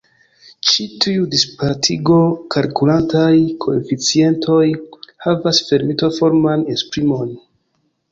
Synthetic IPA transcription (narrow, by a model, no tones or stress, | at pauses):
t͡ʃitʰiudispatʰiɡo̞kalkulantajkʰo̞ḛfit͡sie̞ntʰo̞jhavasfe̞ɾmito̞fo̞ɾmanespɾimo̞n